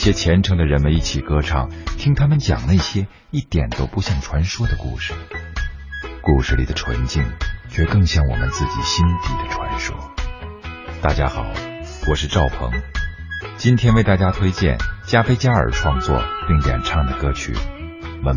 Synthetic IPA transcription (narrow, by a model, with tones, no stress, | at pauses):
ɕjɛ˥t͡ɕʰjɛ˧˥nʈ͡ʂʰɤ˧˥ŋd̪ə˧ɻə˧˥nmə˧ni˥˩t͡ɕʰi˨˩kɤ˥ʈ͡ʂʰɑ˥˩ŋt̪ʰi˥ŋt̪ʰa˥mə˨nt͡ɕjɑ̰˨˩ŋna˥˩ɕjɛ˥ | i˥˩t̪jɛ˨˩nt̪o˥ʊpu˧˥ɕjɑ˥˩ŋʈ͡ʂʰwa˧˥nʂwɔ˥d̪ə˨kṵ˥˩ʂɻ̩˨˩ | ku˥˧˩ʂɻ̩˧˩li˨˩d̪ə˦ʈ͡ʂʰwə̰˧˥nt͡ɕi˥˩ŋt͡ɕʰɥɛ˧˥kɤ˥˧ŋɕjɑ˥˩ŋwɔ̰˨˩mə̰˦nt͡sɹ̩˥˩t͡ɕḭ˨˩ɕi˥nt̪i˧˩d̪ə˦ʈ͡ʂʰwa̰˧˥nʂwɔ̰˥ | t̪a˥˩t͡ɕja̰˥xɑ˨˩˦ʊwɔ˨˩ʂɻ̩˥˧ʈ͡ʂɑ˥˩ʊpʰɤ̰˧˥ŋ | t͡ɕi˥nt̪ʰjɛ˥nwe˥˧ɪt̪a˥˩t͡ɕja˥t̪ʰwe˥ɪt͡ɕjɛ̰˥˩nt͡ɕja˥fe˥ɪt͡ɕja˥ə̰˞˨˩ʈ͡ʂʰwɑ˥˧ŋt͡swɔ̰˥˧˩pi˥˩ŋt̪jɛ̰˨˩nʈ͡ʂʰɑ˥˩ŋd̪ə˩kɤ˥t͡ɕʰy̰˨˩ | mə˧˥